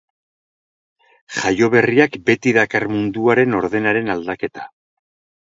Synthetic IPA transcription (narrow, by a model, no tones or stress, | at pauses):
ʝajo̞βe̞riakbe̞t̪iðakarmund̪uaɾe̞no̞ɾð̞e̞naɾe̞nald̪ake̞t̪ḁ